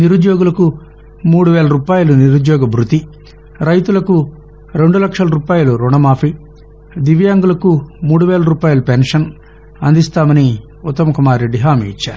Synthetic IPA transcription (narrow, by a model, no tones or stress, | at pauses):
niɾud͡ʒjɔːɡulɐku | muːɽuʋɛːlɐɾuːpaːjuluniɾud͡ʒ̪jɔːɡɐbʱɾut̪i | ɾɐjt̪ulɐku | ɾe̞ɳɖulɐkʂɐlɐɾuːpaːjuluɾuɳɐmaːpʰi | d̪iʋjaːŋɡulɐkumuːɽuʋeɛːlɐɾuːpaːjulupenʂɐn | ɐnd̪ist̪aːmɐni | ut̪ːɐmɐkumaːɾeɖiɦaːmiḭt͡ʃːa̰ːɾuu